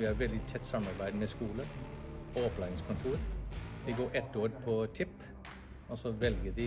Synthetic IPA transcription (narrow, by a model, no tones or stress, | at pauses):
ʋɪhɑɾʋɛld̪ɪt̪ʰɛt̪ːsɑmːɑɾbæɪd̪mɛskuːləɔɔplæɪɪŋskʰʊnt̪ʰuːɾʋ̪ɪɡoːɾʔɛt̪ːoːɾpʰɔt̪ʰɪpː | ɔsɔʋɛlɡəd̪ɪ